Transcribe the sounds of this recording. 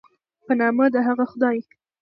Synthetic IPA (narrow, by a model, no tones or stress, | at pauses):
pənɑməd̪əɦaɣaxʊd̪ɑj